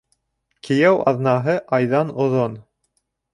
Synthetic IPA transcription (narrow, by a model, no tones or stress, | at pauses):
kʰɘ̆jæwʔɑ̰ðnɑɦɤʔɑjðɑnŏðon